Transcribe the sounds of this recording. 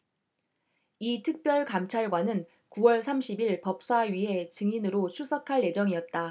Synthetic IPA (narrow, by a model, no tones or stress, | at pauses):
itʰɯk̚p͈jʌɭkamt͡ɕʰaɭɡwanɯn | kuwʌɭsʰamɕʰibiɭpʌp̚s͈aɥiɦe̞t͡ɕɯŋinɯɾot͡ɕʰusʰʌkʰaɭje̞d͡ʑʌŋiʌt̚t͈a